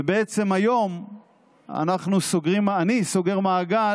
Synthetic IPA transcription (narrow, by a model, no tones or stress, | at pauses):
beet͡se̞majo̞m | a̰naχnusoɡʁimanisoɡe̞ʁmaːɡa